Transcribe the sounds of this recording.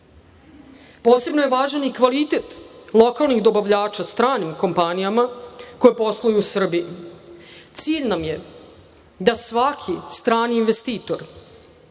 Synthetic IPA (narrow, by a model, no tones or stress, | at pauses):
poːse̞bno̞jeʋaːʒanikʋalit̪et̪lˠo̞kalˠniɣd̪o̞baʋʎaːt͡ʃast̪ɾaːnimko̞mpanijamako̞jepo̞slˠujuːsr̩biji | t̪siːʎnamje | d̪asʋakʰist̪ɾaːniːnʋe̞st̪iːt̪oɾ